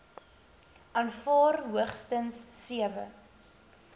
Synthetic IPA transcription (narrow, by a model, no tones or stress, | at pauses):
ʔɐnfɑːrɦuəχstənsːiəvə̰